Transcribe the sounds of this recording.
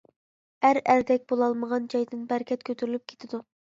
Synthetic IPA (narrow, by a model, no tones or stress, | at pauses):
æɾæɾd̪ɛk̚ʲbolˠɑlˠməʁɑnd͡ʒɑjd̪ɨnbæɾkʲɛt̪̚kʲʰøt̪ʰyɾylyp̚kʲʰe̥t̪ʰɪd̪u